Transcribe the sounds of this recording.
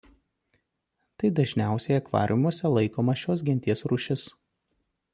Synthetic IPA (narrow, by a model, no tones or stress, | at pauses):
t̪ɐɪd̪ɐʒʲnʲæˑʊsʲɛjɐkʋɑ̰ːɾʲʔʲɪmuɔsʲɛlˠɐɪkoːmɐʃʲoːs̬ɡʲɪnʲt̪ʲiɛsɾʊʃʲɪs